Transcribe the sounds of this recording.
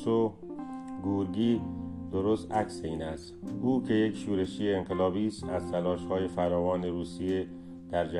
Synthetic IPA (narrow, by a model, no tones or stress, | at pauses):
o | ɡuːɾɡiːd̪̥oɾost̪ʔækseiːnæst̪uːkʰe̞je̞kʃuːɾe̞ʃiːjeːŋɢelɒːbiːst̪æzt̪ʰælɒːʃhɒːje̞fæɾɒːvɒːne̞ɾuːsije | d̪̥æɾd͡ʒæ